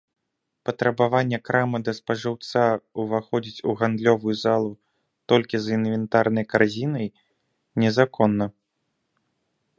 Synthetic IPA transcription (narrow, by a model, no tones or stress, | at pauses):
pɐt̪ɾɐbavanʲːɛkɾʔamɨd̪ɐspɐʐɨwt̪sauvaxɔd͡zʲit͡sʲuɣand̪lʲɔvujuzalˠu | t̪ɔlʲkʲizinvʲɛnt̪arnɐjkarzʲinɐj | nʲɛzakʰɔnːɐ